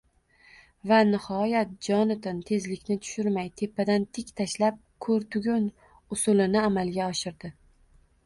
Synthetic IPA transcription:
vanɪhɒjat̪̚d͡ʒɒnɪt̪ʰɪnt̪ʰe̞zlɪkʲnɪt̪ʰʊ̥ʃʊɾmajt̪ʰe̞pʰːad̪ant̪ʰɪkʲt̪ʰaʃlap̚kʰɵɾt̪ʰʊɡʲʊn | ʊsʊlɪnɪamalɡʲaɒʃɪɾd̪ɪ

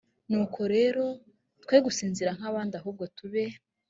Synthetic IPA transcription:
nuːkʰo̞ɾe̞ːɾo̞ | tkweɡusiːnziɾaŋ̥haβaːndiaɦuːb̚ɡo̞tuβe

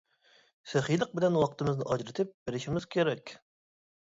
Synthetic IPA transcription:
sɪχijlˠəq̚bɪlɛnwɑqʰt̪ɨmɨznɨʔɑd͡ʒɾɪt̪ʰɪp̚bɪɾɪʃimɪz̥kʲʰeɾɛkʲ

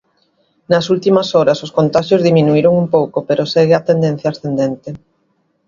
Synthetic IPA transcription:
nɐsult̪imɐsɔɾɐsoskont̪aʃjozðimĩnuiɾoŋumpowkopeɾoseɣeat̪end̪ẽn̟θjasθend̪ent̪ɪ

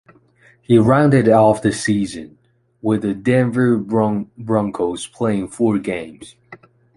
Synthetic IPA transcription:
hiɹãʊ̃ndɨɾɔfðɨsizɨ̃n | wəðɨdɛ̃ɱvə˞bɹʌ̃ŋkʰoʊz̥pʰl̥eɪɪ̃ŋfɔɹɡẽɪ̃mz̥

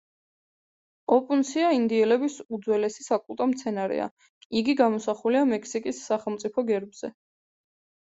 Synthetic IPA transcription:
ɔpʼunsiaind̪iɛlɛbisud̪zwɛlɛsi̥sakʼulˠt̪ʼɔmt̪sʰɛnaɾɛ̰a̰ | iɡiɡamɔsaχuliamɛkʰsikʼisːaχɛlˠmt̪sʼipʰɔɡɛɾbz̥ɛ

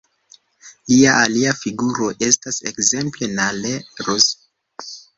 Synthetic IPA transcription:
liaʔaliafiɡuɾo̞ʔe̞stasḛkze̞mple̞naleɾos

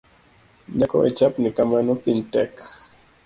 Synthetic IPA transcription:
ɲakɔ̰ʔɛ̰t͡ʃapnikamanɔpintɛk

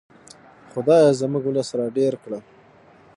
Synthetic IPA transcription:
xʊd̪ɑjazəmuɡʊlasɾaɖeɾkɽa

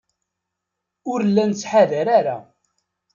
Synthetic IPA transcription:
ʊɾlːænt͡sːħaðæɾaɾa̰

